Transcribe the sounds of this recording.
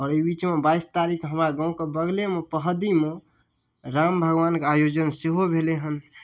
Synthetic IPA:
ɔːɾəibit͡ʃmebaist̪aɾikʰɦəmɾaɡãũkebəɡlemẽpəɦd̪imẽ | ɾambʱəɡʋankeajod͡ʒənseɦobʱeleɦən

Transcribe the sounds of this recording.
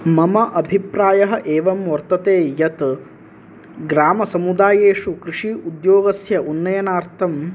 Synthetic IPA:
mɐmɐʔɐbʱipɾaːjɐɦɐ̆ʔeːʋɐmʋɐɾt̪ɐt̪eːjɐt̪ | ɡɾaːmɐsɐmud̪aːjeːʂukɾiʂiud̪joːɡɐsjɐʔunːɐjɐnaːɾt̪ʰɐm

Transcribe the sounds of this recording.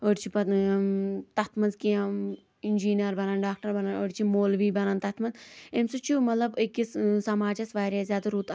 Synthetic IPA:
oɽt͡ʃʰipɐ | t̪ɐt̪ʰmɐnzkiɐm | ind͡ʒiːnijɐɾbɐnɐnɖaːk̚ʈɐɾbɐnɐnoɽʲt͡ʃʰimoːlʋiːbɐnɐnt̪ɐt̪ʰmɐnzemsut͡ʃʰumɐt̪lɐbekːissɐmaːd͡ʒɐsʋaːɾʲjaːzʲjaːd̪ɐɾuːt̪

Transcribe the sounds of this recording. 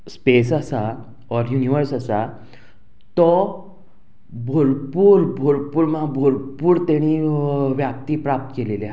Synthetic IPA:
spesasa | ɔɾjuniʋəɾsasa | t̪ɔ | bʱolpuːɾbʱolpuːɾmabʱolpuːɾt̪eɽ̃iʋjap̚t̪iːpɾap̚t̪əkelele

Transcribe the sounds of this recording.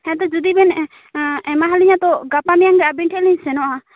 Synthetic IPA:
hɛ̃t̪ɔd͡ʒud̪ibɛn | ɛmaɦaliɲat̪ɔɡapamijaŋɡaʔabiɳʈʰɛliɲsɛnɔʔa

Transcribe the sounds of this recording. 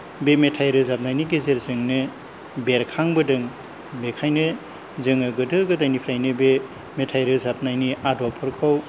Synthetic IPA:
bemetʰajɾɯzap̚najniɡezeɾzɯŋnɯ | beɾkʰaŋbɯdɯŋ | bekʰajnɯ | zɯŋɯɡɯdɯɡɯdajnipʰɾajnɯbe | metʰajɾɯzap̚najniʔadɔpʰɯɾkʰɯw

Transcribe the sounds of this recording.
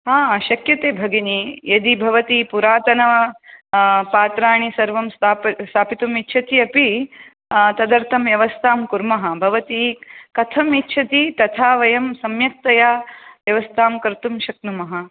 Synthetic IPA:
aːʃɐkjɐt̪eːbʱɐɡinijɐd̪ibʱɐʋɐt̪ipuɾaːt̪ɐnɐɐ | paːt̪ɾaːɳ̃isɐɾʋɐmst̪aːst̪ʰaːpit̪umitːt͡ʃʰɐt̪iɐpi | t̪ɐd̪ɐɾt̪ʰɐmʋjɐʋɐst̪ʰaːmkuɾmɐɦɐ̆bʱɐʋɐt̪ikɐt̪ʰɐmitːt͡ʃʰɐt̪it̪ɐt̪ʰaːʋɐjɐmsɐmjɐk̚t̪ɐjaːʋjɐʋɐst̪ʰaːmkɐɾt̪umʃɐk̚numɐɦɐ

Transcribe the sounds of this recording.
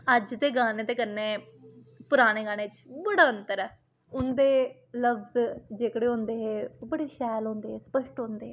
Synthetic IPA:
əd͡ʒd̪eːɡaːneːt̪eːkəɾneː | pʊɾaːneːɡaːñeːt͡ʃbəɽaːənt̪əɾɛː | ʊnd̪eː | ləʋzd͡ʒeːkɽeːɦõːnd̪eːɦeːbəɽeːʃɛːlõːnd̪eːɦeːsə̥pəʃʈɦõːnd̪eːɦeː

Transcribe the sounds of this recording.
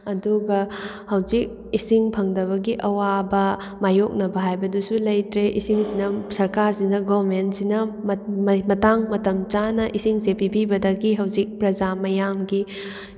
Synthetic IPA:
ɐduɡɐ | hɐwzik̚ | isiŋpʰɐŋdɐβɐɡiʔɐwabɐ | majok̚nɐbɐɦajbɐdusulɐjtɾeʔisiŋsinɐsɐɾkaɾsinɐɡobmentsinɐmmɐtaŋmɐtɐmt͡ʃanɐʔisiŋsepibibɐdɐɡiɦɐwzik̚pɾɐd͡ʒamɐjamɡi

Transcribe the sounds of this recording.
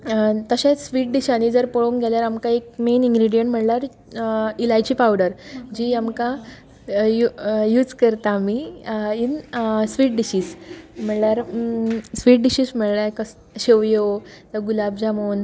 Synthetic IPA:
t̪əɕasʋiːʈ̚ɖiɕanid͡zəɾpoɭoŋɡɛljaɾamkaek̚meniŋɡɾiɽijəɳʈm̤əɳlaɾ | ilajt͡ɕiːpawɽəɾd͡ʑiːamka | jujuːd͡zkəɾt̪aːmiinsʋiːʈ̚ɖiɕiːsm̤əɳljaɾ | sʋiːʈ̚ɖiɕiːsm̤əɭlakəs | ɕeʋjod͡zəɡulabd͡zamoːn

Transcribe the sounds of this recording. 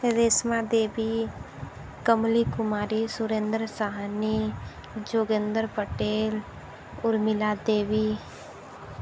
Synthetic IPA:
ɾeːsmad̪eːbi | kəmlikʊmaːɾisʊɾẽːnd̪ɾəsaɦani | d͡ʒoːɡẽnd̪əɾpəʈeːl | ʊɾmɪlad̪eːʋi

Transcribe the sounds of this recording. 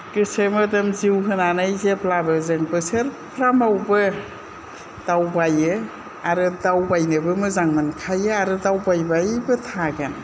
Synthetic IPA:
kɯsemɯdɯmziwɦɯnanajzeplabɯzɯŋbɯsɯɾpʰɾamawbɯ | d̥awbajɯ | aɾɯdawbajnɯbɯmɯzaŋmɯnkʰajɯaɾɯdawbajbajbɯtʰaɡan

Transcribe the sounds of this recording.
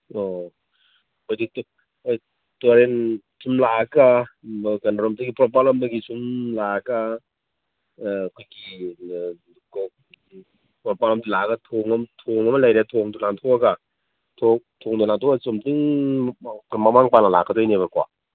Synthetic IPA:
ɔ | kɔjdit | tɔɾen | sʰumlaakakanaɾɔmtɯɡipɾɔp̬alɔmdaɡisumlaka | kʰojɡi | kɔ | pɔpalɔmtilakatʰoŋamtʰoŋamalajɾetʰoŋdulaŋt̪ʰoaka | tʰotʰoŋtulaŋtʰɔasomtɯŋ | kmamaŋpanlala̰kʰːadʰɔjneβakwa̰

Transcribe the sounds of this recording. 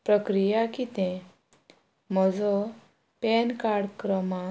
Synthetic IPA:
pɾəkɾijakit̪ɛ̃ | m̤əd͡zɔ | pɛnkaɽkɾəma

